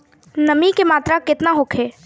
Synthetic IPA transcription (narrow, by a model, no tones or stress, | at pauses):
nɐmikemaːt̪ɾakɪt̪naɦʊkʰeː